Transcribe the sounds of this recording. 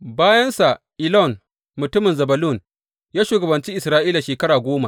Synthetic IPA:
baː˦jɐ˦nsa˨ʔʔɪ˨lɔ˦˨n | mʊ˨tʊ˦mɪ˨nzɐ˨bɐ˨lu˦˨n | jaː˦ʃuː˨ɡɐ˨bɐ˨nt͡ʃi˦ʔɪ˨sɾaː˦ʔiː˦la˨ʃeː˨kɐ˦ɽaː˨ɡʷoː˦ma˨

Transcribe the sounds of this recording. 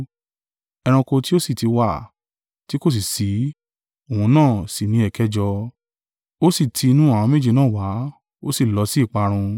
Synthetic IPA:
ɛ˧ɾ̃ũ˧ko˧ti˦o˦si˦˨ti˧wa˦˨ | ti˦ko˦˨s̬i˨si˨˦ | o˨hũ˧nãː˦˨si˨nĩ˨˦ɛ˨kɛ˨˦d͡ʒɔ˧ | o˦si˦˨tʰi˧nũ˦a˦˨w̃ɔ̃˧me˦d͡ʒi˧nãː˦˨wa˨˦ | o˦si˦˨lɔ˨˧˦si˦˨k͡pa˧ɾ̃ũ˧

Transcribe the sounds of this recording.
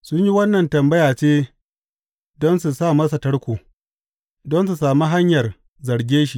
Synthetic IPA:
sʊ˦ɲji˦wɐ˦nːɐ˨ntɐ˨mbɐ˦jaː˨t͡ʃeː˦ | dɔ˦nsu˨saː˦˨mɐ˦s̬a˨tɐ˦ɽkʷoː˨ | dɔ˦ns̬u˨saː˨mi˦ɦa˦ɲjɐ˨r | zɐ˨ɽɡʲeː˦ʃi˨

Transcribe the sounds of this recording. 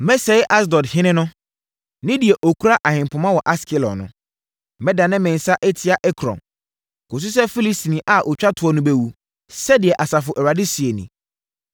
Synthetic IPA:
mɛ˦sɛ˨ɪ˦ʔa˦s̬dɔ˨dhɪ̃˦nɪ̃˦nʊ̃˦ | nɪ̃˦di˨ɛ˨ʔo˨kʰu˦ɾa˦ʔa˨hɪ̃˨mpʰʊ˨mã˦wɔ˨ʔa˦skʰɪ˦lɔ̰˨nʊ̰̃˨˦ | mɛ̃˦da˨nɪ̃˦mɛ̃˨n̩˨sa˦ʔɛ˦tʰɪ˦a˨ʔɛ˦kʰɾɔ̰̃˨m | kʰʊ̃˨s̬ʊ˦s̬ɛ˦fi˦li˦sti˨nĩ˨ʔa˨ʔo˨t͡ɕᶣa˦tʰʊ˨˦ɔ˨nʊ̃˨be˨wu˨ | sɛ˦dɪ˨ɛ˨ʔa˨sa˨fʊ˨ʔɛ˨ɾa˨dɪ˦si˨e˨nḭ̃˨

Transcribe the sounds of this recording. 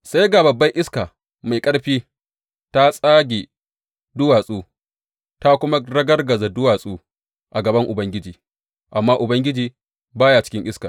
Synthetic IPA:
sa˦jɡa˨bɐ˨bːɐ˦ŋʔɪ˦skaː˨ | ma˨jkʼɐ˦ɽɸiː˦ | ta˦sʼaː˦ɡʲe˨ | dʊ˦waː˨sʼuː˦ | ta˦kʷʊ˦ma˦ɾɐ˦ɡɐ˦rɡɐ˨za˨dʊ˦waː˨sʼuː˦ | ʔa˨ɡɐ˨bɐ˦ŋʔʊ˨bɐ˦ŋɡʲɪ˦d͡ʒiː˨ | ʔa˨mːaː˦ʔʊ˨bɐ˦ŋɡʲɪ˦d͡ʒiː˨ | baː˦jaː˨t͡ʃɪ̥˦kʲɪ˦ŋʔɪ˦ska˨

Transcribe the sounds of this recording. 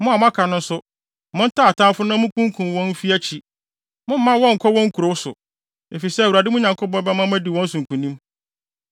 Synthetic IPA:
mʊ̃˦a˨mʊ̃˦a˦kʰa˨nʊ̃˦n˦sʊ˦ | mʊ̃˦n̩˦tʰa˦˨a˨tʰã˦fʊ˦nã˦mʊ̃˦kʰũ˦ŋ˦kʰũ˨mwɔ̃˦n̩˦fi˦æ˦t͡ɕʰi˦ | mʊ̃˦m̩˦mã˦wɔ̃˦ŋ̩˨kʰɔ˦wɔ̃˦ŋ̩˦kʰu˨ɾo˨˦wʊ˦sʊ˨ | e˨fi˨sɛ˦˨wu˨a˨dɪ˦m˦ʊ̃˦ɲã˨ŋkʰʊ˦bɔ̃˦bɛ˦mã˦mæ̃˦di˨wɔ̃˦n̩˦sũ˨ŋ̩˨kʰũ˨nĩ˦m

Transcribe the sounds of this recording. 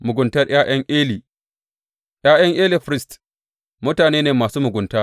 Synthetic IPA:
mʊ˨ɡʷʊ˨ntɐ˦rj̰aː˦j̰ɐ˦ŋʔeː˦liː˨ | ʔj̰aː˦j̰ɐ˦ŋʔeː˦li˨ɸɾɪ˦st | mʊ˦taː˨neː˦neː˨maː˨suː˦mʊ˨ɡʷʊ˨ntaː˦

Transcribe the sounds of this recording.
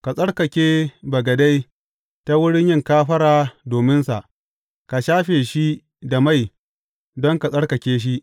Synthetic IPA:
ka˨sʼɐ˦ɽkɐ˨kʲeː˦bɐ˨ɡɐ˨da˦j | ta˦wʊ˦ɽɪ˦ɲjɪ˦ŋkaː˦ɸɐ˦ɽaː˨doː˨mɪ˦nsa˨ʔ | ka˨ʃaː˦ɸeː˨ʃi˦ | da˨ma˦˨j | dɔ˦ŋka˨sʼɐ˦ɽkɐ˨kʲeː˦ʃ̬i˦ʔ

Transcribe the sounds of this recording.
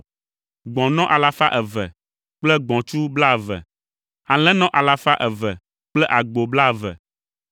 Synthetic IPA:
ɡ͡bɔ̃˨nɔ̃˦ʔa˨la˦fa˦ʔɛ˨vɛ̰˨ | k͡plɛ˦ɡ͡bɔ̃˨t͡ʃu˦bla˦˨vɛ̰˨ | a˨lɛ̃˦nɔ̃˦ʔa˨la˦fa˦ʔɛ˨vɛ˨ | k͡plɛ˦ʔa˨ɡ͡bo˨bla˦˨vɛ̰˨

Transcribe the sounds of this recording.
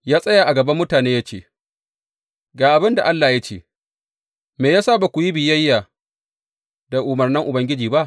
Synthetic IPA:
jaː˦sʼɐ˦jaː˨ʔa˨ɡɐ˨bɐ˦mːʊ˦taː˨neː˦ja˦t͡ʃḛː˦˨ | ɡaː˨ʔa˨bɪ˦nda˨ʔa˦lːaː˨ja˦t͡ʃḛ˦˨ | meː˨jaː˦saː˦˨ba˨kʷu˨ji˦bɪ˨jɐ˦jːaː˨ | da˨ʔʊ˨mɐ˨rnɐ˦ŋʔʊ˨bɐ˦ŋɡʲɪ˦d͡ʒiː˨ba˦ʔ

